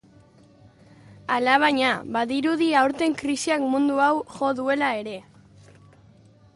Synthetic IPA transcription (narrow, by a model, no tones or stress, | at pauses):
alaβ̞aɲaβaðiɾuðiawɾt̪e̞ŋkɾisiakmũnd̪uawʝo̞ðue̞lae̞ɾe̞